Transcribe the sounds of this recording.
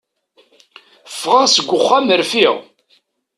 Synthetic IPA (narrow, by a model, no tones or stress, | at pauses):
fːʁaʁsəɡʷːʊχːæməɾfiʁ